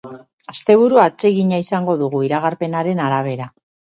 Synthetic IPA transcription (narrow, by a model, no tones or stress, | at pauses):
ast̪e̞β̞uɾuat͡se̞ɣiɲaisaŋɡo̞ðuɣ̞uiɾaɣ̞aɾpe̞naɾe̞naɾaβ̞e̞ɾa